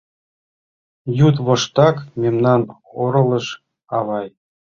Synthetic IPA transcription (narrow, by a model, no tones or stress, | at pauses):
jut̪βŏʃt̪ɑkmʲemnɑn | oɾɤ̆lˠɤ̆ʃ | ɑβɑj